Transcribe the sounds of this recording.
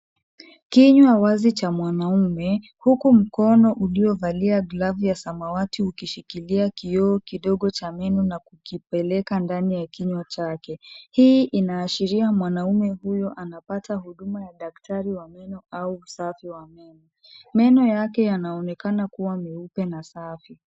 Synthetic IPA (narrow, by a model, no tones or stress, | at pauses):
kiɲwawazit͡ʃamwanaumɛ | hukum̩kɔnɔʔuliɔvaliaɡlavijasamawatiukiʃikiliakiɔːkiɗɔɠɔt͡ʃamɛnunakukipɛlɛkandanijakiɲwat͡ʃakɛhiʔinaːʃiɾiamwanaumɛhujɔʔanapataɦuɗumajaɗaktʰaɾiwamɛnɔʔauːsafiwamɛnɔ | mɛnɔjakɛjanaɔnɛkanakuwamiupɛnasafi